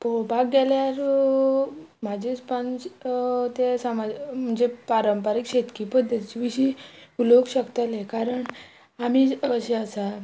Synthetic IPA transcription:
pɾobʱaɡɡeljaɾ | m̤ad͡ʑʱit͡spant͡st̪esamad͡zm̤əɳd͡zepaɾəmpaɾikɕet̪kipəd̪ʱːət̪it͡ɕiʋiɕiːuloɡɕəkt̪alekaɾəɳ | amiːəɕeəsa

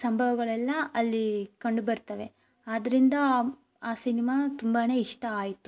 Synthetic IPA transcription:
sɐmbʱɐʋɐɡɐɭɛlːɐɐlːikɐɳɖubɐɾt̪ɐʋe̞ | aːd̪ɐɾind̪ɐ | aːsinimaːt̪umbaːne̞ːiʂʈɐːjit̪u

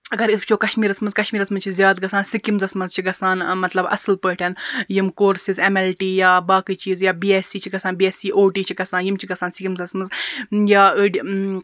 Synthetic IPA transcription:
ɐɡɐɾisbt͡ʃʰoːkɐʃmiːɾɐsmɐzkɐʃmiːɾɐsmɐnzt͡ʃʰizjaːd̪ɡɐsaːnsikimzɐsmɐzt͡ʃʰiɡɐsaːnmɐt̪lɐbɐ̰slpəːʈʰɐnjimkoːɾsizemelʈiːjaːbaːkiːt͡ʃiːzjaːbiːeːsiːt͡ʃʰiɡɐsaːnbieːsiːʔoːʈiːt͡ʃʰiɡɐsaːnjimt͡ʃʰiɡɐsaːnsikimzɐsmɐzjaːəɖ

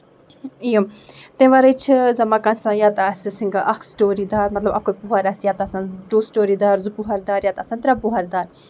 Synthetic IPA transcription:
ijɐmt̪ẽʋaːɾɐt͡ʃʰizɐmaːkãnsãjaːt̪asisĩŋɡaʔɐkʰsʈoːɾid̪aːɾmɐt̪lɐbɐkopuɦɐɾɐsjaːt̪aːsãnɖoːsʈoːɾid̪aːɾzupuɦɐɾd̪aːɾjaːt̪aːsãnt̪ɾɐbuɦɐɾd̪aːɾ

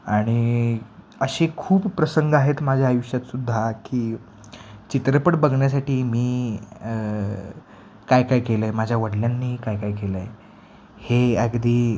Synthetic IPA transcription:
aɽ̃i | əɕekʰuːppɾəsəŋɡaɦet̪mad͡ʑʱjaːjuʂat̪sud̪ʱːakiː | t͡ɕit̪ɾəpəʈbəɡʱɳjasaʈiːmiː | kajkajkeləjmad͡ʑʱjaʋəɽljanːiːkajkajkeləje | heəɡd̪iː

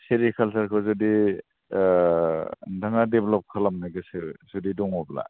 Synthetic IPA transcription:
seɾikʰalsaɾkʰɔzɔdi | dʱaŋadeblɔp̚kʰalamnajɡɯsɯzudidɔŋɔbla̰

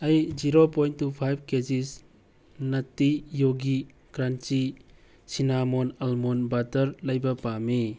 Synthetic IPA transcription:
ɐjd͡ʒiɾopojntːupʰajb̚ʱkezis | nɐtijoɡi | kɾant͡ʃi | sinamonɐlmonbatɐɾlɐjbɐpami

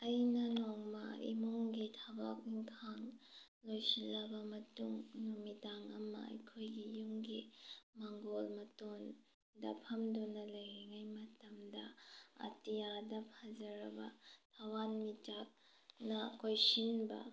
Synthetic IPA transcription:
ɐjnɐnoŋmɐ̰ḭmoŋɡitʰabak̚niŋkʰaŋ | lojsilɐbɐmɐtuŋnumitaŋɐmɐ̰ɐ̰jkʰojɡijuŋɡimaŋɡolmɐton | dɐ̰pʰɐmdonɐlɐjeŋajmɐtɐmdɐɐ̰tijadɐpʰazɐɾɐbɐ̰tʰawanmit͡ʃak̚ | nɐkojsinbɐ̰

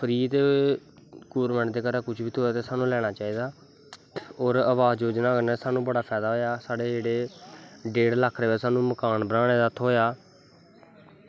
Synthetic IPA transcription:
pʰəɾiːt̪eː | kuːɾmɛ̃ːɳʈd̪eːkəɾaːkʊt͡ʃʰʋiːt̪ʰoːaːt̪eːsaːnũːlɛːɽ̃aːt͡ʃaːiːd̪aː | oːɾəʋaːzd͡ʒoːd͡ʒnaːkənaːsaːnũːbəɽaːpʰɛːd̪aːɦoːjaːsaːɽeːd͡ʒeːɽeːɖeːɽləkʰːɾeːʋesaːnũːməkaːnbənãːɽ̃eːd̪aːt̪ʰɦoːjaː

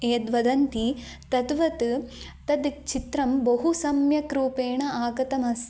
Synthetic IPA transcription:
eːd̪ʋɐd̪ɐnt̪i | t̪ɐd̪ʋɐt̪t̪ɐd̪t͡ʃit̪ɾɐmbɐɦusɐmjɐkɾuːpeːɳɐʔaːɡɐt̪ɐmɐs

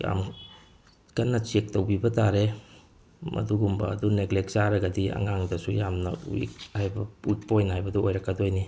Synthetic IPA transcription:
ja̰m | kɐnːɐt͡ʃek̚towbibɐtaɾe | mɐ̰duɡumbɐ̰ːduneɡlek̚saɾɐɡɐdiɐ̰ŋaŋdɐsujamnɐ̰uḭkhajbɐuik̚pojnhajbɐduojɾɐkːadojni

